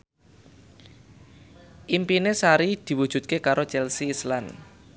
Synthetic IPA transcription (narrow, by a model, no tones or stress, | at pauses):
ʔimpinesaɾid̪̥i̤wu̥ʒ̥ut̪̚kekaɾot͡ʃɛlsiːslan